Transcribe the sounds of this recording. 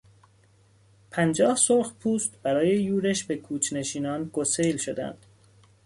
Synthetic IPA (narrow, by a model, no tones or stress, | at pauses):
pʰænd͡ʒɒːhsoɾxpʰuːst̪b̥æɾɒːje̞juːɾeʃbe̞kʰuːt͡ʃʰne̞ʃiːnɒːnɡosejlʃo̞d̪æ̰nd̪̥